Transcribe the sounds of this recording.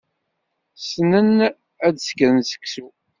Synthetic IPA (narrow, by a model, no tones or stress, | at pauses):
snən | æd̪skːəɾnsə̥ksu